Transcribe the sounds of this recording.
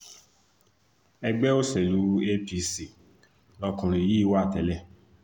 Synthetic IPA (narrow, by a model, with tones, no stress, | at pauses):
ɛ˧ɡ͡bɛ˦o˦sɛ˨lu˨˦e˦pi˦˧si˨ | lɔ˧kũ˨ɾ̃ĩ˨ji˨˦i˦wa˦˨tɛ˨˦lɛ˦˨